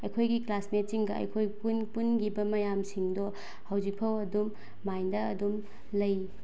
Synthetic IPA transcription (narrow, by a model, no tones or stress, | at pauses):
ɐjkʰojɡiklasmetiŋɡɐɐ̰jkʰojpunpunɡibɐmɐjamsiŋdɔ | hawzik̚pʰɐwɐdumː | ajndɐːdum | lɐj